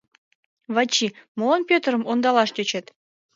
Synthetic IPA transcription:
βɑt͡ɕːimolˠɑnpʲøt̪ərə̆mond̪ɑlˠɑʃt̪ʲøt͡ɕĕt̪

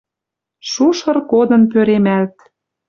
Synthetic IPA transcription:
ʃuʃɤ̆rkod̪ɤ̆np̬øɾemælt̪

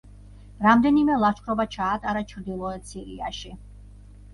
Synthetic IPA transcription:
ɾamd̪ɛnimɛlˠaʃχʰɾɔbat͡ʃʰaːt̪ʼaɾat͡ʃʰɾd̪ilˠɔɛsʰiɾia̰ʃi

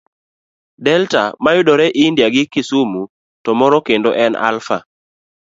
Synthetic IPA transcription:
dɛlta̰majʊdɔɾɛʔɪndjaɡɪkɪsumu | tɔmɔɾɔkendo̰ʔɛna̰lfa

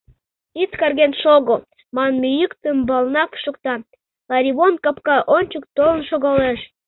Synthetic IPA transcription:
it͡skɑrɣenʃoɣo | mɑnmijykt̪əmbɑlˠnɑpʃŏk̚t̪ɑn | lɑɾʲiβonkɑpkɑʔonʲt͡ɕək̚t̪olənʃoɣɑleʃ

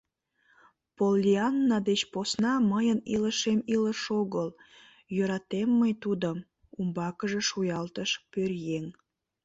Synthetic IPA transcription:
polːiɑnːɑd̪et͡ɕposnɑməjəniləʃemiləʃoɣəl | jøɾɑt̪emːəjt̪ud̪əm | umbɑkəʒeʃujɑlt̪əʃpørjeŋ

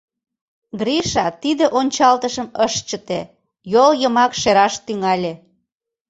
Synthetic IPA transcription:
ɡɾiʃɑt̪id̪eʔonʲt͡ɕɑlt̪əʃəməʃt͡ɕə̆t̪e | joljəmɑkʃeɾɑʃt̪yŋɑlʲe

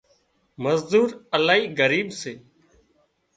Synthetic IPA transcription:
məzd̪uːɾəlaːɦiːɡəɾiːɓseː

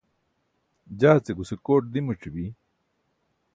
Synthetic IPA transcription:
d͡ʑaːt͡seɡusekoːʈ̚d̪imuʈ͡ʂibi

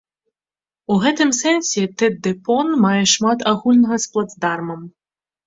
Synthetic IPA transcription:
uɣɛt̪ɨmsɛnʲsʲɛt̪ɛd̪ɛpɔnmajɛʂmat̪aɣulʲnɐɣɐsplˠad̪zd̪armɐm

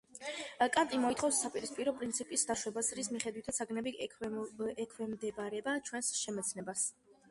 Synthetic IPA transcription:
kʼat̪ʼimɔit̪ʰχɔfsːapʼiɾispʼiɾɔpʼɾint̪sʰipʼisd̪aʃwɛbasɾismiχɛd̪wit̪ʰat̪sʰaɡnɛbi | ɛkʰwɛmd̪ɛbaɾɛbat͡ʃʰwɛnsʃɛmɛt̪sʰnɛbas

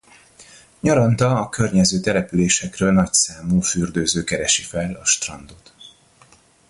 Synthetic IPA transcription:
ɲɒɾɒnt̪ɒɒkø̞rɲɛzøːt̪ɛlɛpyleːʃɛkrøːlnɒcsaːmuːfyrd̪øːzøːkɛɾɛʃifɛlɒʃt̪rɒnd̪ot̪

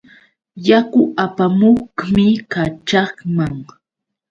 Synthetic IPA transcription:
jakʊʔapamoχmɪkat͡ʃɑχmaŋ

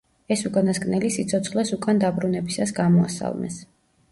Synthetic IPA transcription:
ɛsukʼanaskʼnɛlisit̪sʰɔt̪sʰχlˠasukʼand̪abɾunɛbisasɡamɔa̰sa̰lˠmɛ̰s

